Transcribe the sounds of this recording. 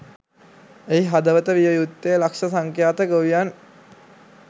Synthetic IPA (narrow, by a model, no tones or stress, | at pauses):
eiɦad̪əʋət̪əʋiʋəjut̪ːejlakʃəsaŋkjaːt̪əɡoʋijan